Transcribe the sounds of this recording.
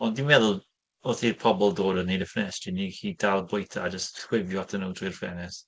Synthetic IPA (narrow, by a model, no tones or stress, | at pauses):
ɔndinmɛðʊlˠ | oθipʰɔbɔlˠdoːɾənejdəfnɛstinikiːd̥alˠbʊjtʰa̰ːd͡ʒəstswɪvjɔatʰənowdirfɛ̰nɛs